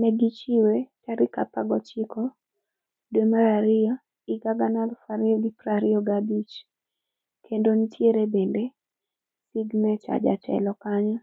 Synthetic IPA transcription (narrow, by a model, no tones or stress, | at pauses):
nɛɡit͡ʃiwet͡ʃaɾikapaɡɔt͡ʃɪkɔ | demaɾaɾɪa | iɡaɡanalfaɾiɔɡipɾaɾɪɔɡabit͡ʃ | kʰendonitʰjeɾebende | siɡnɛt͡ʃa̰d͡ʒa̰t͡ʃɛ̰lɔkaɲɔ